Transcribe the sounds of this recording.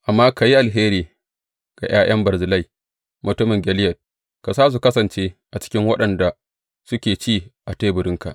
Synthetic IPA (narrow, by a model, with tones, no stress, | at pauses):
ʔa˨mːaː˦ka˨ji˦ʔa˨lɦeː˦ɾiː˨ | ɡ̥a̰˨j̰aː˦j̰ʔɐ˦mbɐ˨ɾzɪ˨la˦j | mʊ˨tʊ˦mɪ˨ŋɡʲɛ˨lɪ˦jɐ˨t̚ | ka˨saː˦s̬u˨kɐ˦sɐ˨nt͡ʃeː˦ʔa˨t͡ʃɪ̥˦kʲɪ˦ŋwɐ˦ɗɐ˨nda˨ | sʊ˦kʲeː˨t͡ʃiː˦˨ʔa˨ta˦bʊ˨ɾɪ˦ŋka̰˨ʔ